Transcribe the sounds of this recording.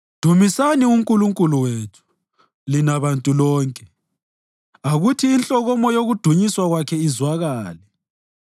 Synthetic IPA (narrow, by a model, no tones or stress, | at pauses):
d̥ʱumisaniuŋkʼuluŋkʼuluweːtʰu̥ | linaβantʼulɔːŋkʼɛ | aɣutʰiːnt͡ɬʼɔɣɔmɔjoɣud̥ʱuɲiswaɣwakʰɛizwaɣaːlɛ